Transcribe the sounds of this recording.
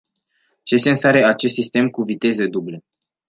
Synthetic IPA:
t͡ʃe̞se̞ɨnsaɾeat͡ʃe̞st̪sist̪e̞mkuvit̪e̞zed̪uble

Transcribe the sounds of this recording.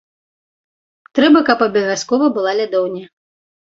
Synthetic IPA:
t̪ɾɛbɐkɐpɐbʲɐvʲaskɔvɐbɨlˠalʲad̪ɔwnʲɐ

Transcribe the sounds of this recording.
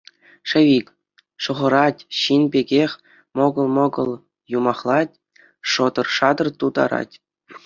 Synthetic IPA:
ʂɘ̆ʋʲikʲ | ʂŏʁɤ̆ɾɑtʲɕinbʲeɡʲexʲ | moɡɤ̆lˠmɤ̆ɡɤ̆lˠ | jumɑχlˠɑtʲ | ʂŏd̪ɤ̆rʂɑd̪ɤ̆rt̪ud̪ɑ̰ɾɑ̰tʲ

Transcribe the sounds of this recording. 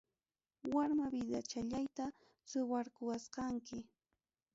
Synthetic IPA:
waɾmabɪd̪at͡ʃaʎajt̪a | sʊwaɾkʊwasqɑŋkɪ

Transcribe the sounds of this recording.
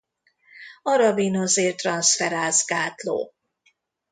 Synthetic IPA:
ɒɾɒvinozeːrt̪rɒnsfɛɾaːzɡaːt̪lo̰ː

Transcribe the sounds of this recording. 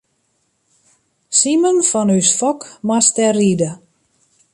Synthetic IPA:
simənfɔnysfɔkmastɛridə

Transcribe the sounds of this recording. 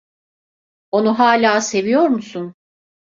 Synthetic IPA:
o̞nuɦaːlʲaːse̞vijo̞ɾmusun

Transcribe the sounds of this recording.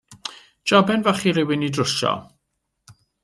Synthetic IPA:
d͡ʒ̥abɛnvaχiɾɪwɪnidrʊʃɔ̰

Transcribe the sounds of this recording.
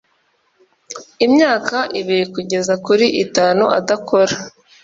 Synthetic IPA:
imɲaːkaʔiβiɾikuɟe̞zakuɾiʔitaːnuʔa̰dakʰoɾa

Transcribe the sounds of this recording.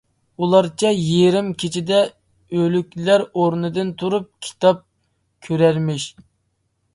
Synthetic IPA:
ulˠɑɾt͡ʃʰɑjeɾɪmkʲʰet͡ʃʰid̪ɛ | ølykʲlæɾoɾnɨd̪ɨnt̪ʰuɾup̚kʲʰi̥t̪ɑp̚ | kʲʰøɾæɾmɪʃ

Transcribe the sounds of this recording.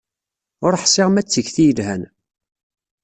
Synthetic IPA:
ʊɾħsɪʁmæt͡sːəʝθijəlhæn

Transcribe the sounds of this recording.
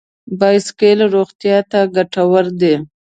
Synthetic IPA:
bɑjskelɾoɣt̪jɑt̪aɡaʈawəɾd̪e

